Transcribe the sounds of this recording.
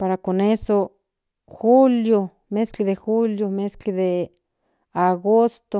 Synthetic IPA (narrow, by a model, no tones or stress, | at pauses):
paɾakoneso | xuljo | meskiðexuljomeskiðe | aɣost̪o